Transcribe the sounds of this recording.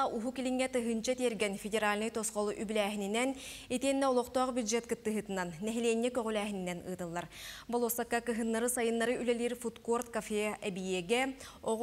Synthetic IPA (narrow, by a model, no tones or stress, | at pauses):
ɑʔuɦukilʲiŋːɛt̪ɯɦɯnt͡ɕɑt̪iɛɾɡɛnfʲedʲeɾalʲnɯjt̪ɔsqɔlˠʔybylæːɦininɛn | it̪iɛnːɛɔlˠɔqt̪ɔːqbʲjud̪ʒɛt̪̚kɯt̪ːɯɦɯt̪ɯnɑnːɛɦilʲeːnːɛkøʁylʲæːɦininɛnɯ̰ːt̪ɯlˠːɑɾbolˠɔsakːakɯɦɯnːaɾɯsɑjɯnːaɾɯʔylɛlʲiːɾfut̪kort̪kafʲeʔɛbijɛɡɛoʁ